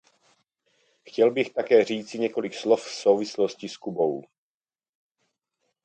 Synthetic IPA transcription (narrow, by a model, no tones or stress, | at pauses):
xcɛlbɪxt̪akɛːr̝iːt͡sɪɲɛko̞lɪkslofsowvɪsloscɪskubow